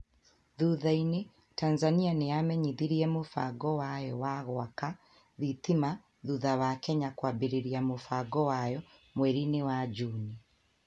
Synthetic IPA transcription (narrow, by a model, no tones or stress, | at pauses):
ðuðaine | tanzanianejamɛɲiðiɾiɛmofa̰ɡɔwajɔwaɣwaka | ðitima | ðuðaβakɛɲakwabeɾiɾiamofaɡɔwajɔ | mwɛɾinewad͡ʒuni